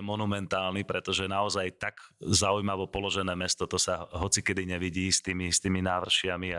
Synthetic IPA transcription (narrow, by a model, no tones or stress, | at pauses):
mɔnumɛnt̪aːlnipɾɛt̪ɔʒɛnaɔzajt̪aɡzaujmaʋɔpɔlɔʒɛnɛːmɛst̪ɔt̪ɔsaɦɔt͡sikɛd̪iɲɛʋiɟiːst̪iːmist̪iːminaːʋr̩ʃɪamia